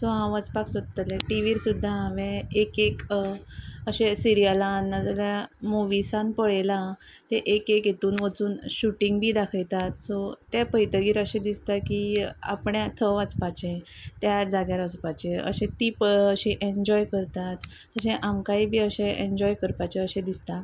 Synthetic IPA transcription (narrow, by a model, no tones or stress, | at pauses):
soɦãʋat͡spaksod̪t̪əlẽʈiʋiːɾsud̪ʱːaaʋẽekek | əɕesiɾijəlaːnːad͡zaljamoʋisãnpəɭelã | t̪eʔekekjet̪uːnʋət͡suːnɕuʈĩŋɡbʱiːd̪akʰəjt̪at̪sot̪japəjt̪əɡiːɾəɕẽd̪ist̪akia̰pɳjãt̪ʰəʋat͡spat͡ɕẽt̪jad͡zaɡjaɾət͡spat͡ɕẽə̰ɕẽt̪iːpəəɕeʔeɲd͡ʑɔjkəɾt̪at̪ː | əɕẽʔamkaɦiːbʱiːəɕẽẽɲd͡ʑɔjkəɾpat͡ɕeəɕẽd̪ist̪a